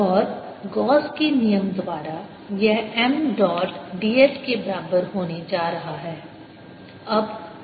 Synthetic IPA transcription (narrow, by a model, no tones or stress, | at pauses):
ɔːɾ | ɡɔːskenijəmd̪ʋaːɾa | jɛɦɛmɖɔːʈɖiːeːskebɐɾaːbəɾɦoːned͡ʒaːɾɐɦaɦɛː | ɐb